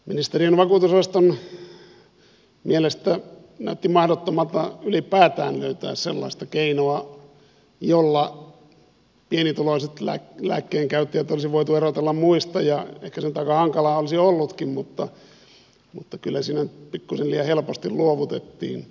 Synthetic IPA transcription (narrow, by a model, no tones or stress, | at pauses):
minist̪erienʋɑkuːt̪usɑst̪on | mielest̪æ | næ̰yt̪ːimɑhɾot̪ːomɑlt̪ɑylipæːt̪æ̰ːnlø̰yt̪æ̰ːssḛlːɑ̰ist̪ɑkeinoɑ | jolːɑ | pienit̪uloisit̪læ̰læ̰ːkːeːŋkæyt̪ːiæt̪ːolisiʋoit̪uerot̪elːɑmmuist̪ɑjɑḛhkæsenyt̪ɑikːɑhɑŋkɑlɑːolisiolːut̪kimmut̪ːɑ̰ | mut̪ːɑkylːæsiːnænyt̪pikːuseliæhelpost̪illuoʋut̪ḛt̪ːḭːn